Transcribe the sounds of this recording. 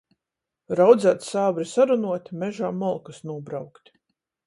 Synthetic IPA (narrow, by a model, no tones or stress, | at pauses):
ɾawd̪zæːt̪saːbɾisaɾunuɔt̪ʲmɛʒaːmɔlˠkasnuɔbɾawkt̪ʲ